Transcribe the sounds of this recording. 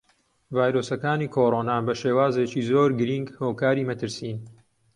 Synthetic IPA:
vaːjɾoːsɐkaːniːkʰoːɾonaːbɐʃeːwaːzet͡ʃiːzoːɾɡɨɾiŋɡhoːkaːɾimɐt̪ʰɨɾsiːn

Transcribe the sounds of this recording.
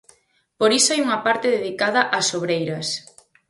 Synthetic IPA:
poɾisoajuŋɐpaɾt̪eðeðikaðɐʔɐsoβɾejɾɐs

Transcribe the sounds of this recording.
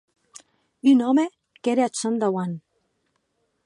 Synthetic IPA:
ynɔme | keɾeat͡sand̪awan

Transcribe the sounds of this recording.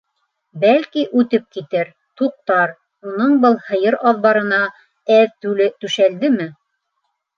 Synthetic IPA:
bælkiʔʉt̪ɘp̚kit̪ɘɾ | t̪uq̚t̪ɑɾ | unɤɴbɤlˠhɤ̆jɤɾɑðβɑɾɤ̆nɑ | æðt̪ʉlɘt̪ʉʃæld̪ɘmɘ

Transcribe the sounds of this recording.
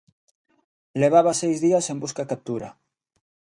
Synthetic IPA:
leβ̞aβasejzðiɐsembuskakap̚t̪uɾɐ̰

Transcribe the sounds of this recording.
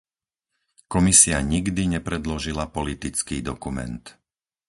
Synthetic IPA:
kɔmisiaɲiɡd̪iɲɛpɾɛd̪lɔʒilapɔlit̪it͡skiːd̪ɔkumɛ̰nt̪

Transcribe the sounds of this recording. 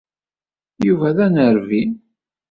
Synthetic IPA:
juvæðænəɾvin

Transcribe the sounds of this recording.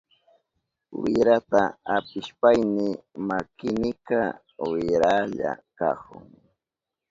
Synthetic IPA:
wɪɾat̪aapɪʃpajnɪmakɪnɪka | wɪɾaʎa̰ka̰kʊ̰ŋ

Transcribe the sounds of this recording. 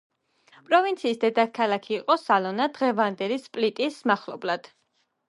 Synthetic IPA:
pʼɾɔvint̪sʰiːsd̪ɛd̪akʰalˠakʰiːqʼɔsalˠɔnad̪ʁɛvand̪ɛlispʼlit̪ʼismaχlˠɔ̰blad̪̥

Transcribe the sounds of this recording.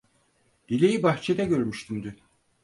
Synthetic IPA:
d̪ilʲejibaxt͡ʃʰed̪ɛɟø̞ɾmyʃt̪ʰymd̪y

